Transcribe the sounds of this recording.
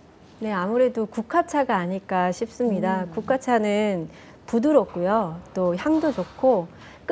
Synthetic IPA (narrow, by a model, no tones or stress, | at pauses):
ne̞amuɾe̞dokukʰat͡ɕʰaɡaːɲiɭk͈aɕʰip̚s͈ɯmɲidakukʰat͡ɕʰanɯn | pudɯɾʌk̚k͈ujot͈oçjaŋdod͡ʑokkʰo | k͈